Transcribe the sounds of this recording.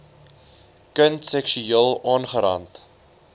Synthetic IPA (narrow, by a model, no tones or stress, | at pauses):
kəntsɛkʃyeːlˠɑːnχəɾɐ̰nt